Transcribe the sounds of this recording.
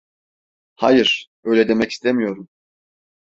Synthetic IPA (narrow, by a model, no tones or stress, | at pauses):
hajiɾ̥ | ø̞jlʲɛd̪e̞mɛci̥st̪ʰemijo̞ɾum